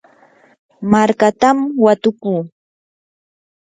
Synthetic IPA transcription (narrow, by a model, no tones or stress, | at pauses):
maɾkat̪amwat̪ʊkuː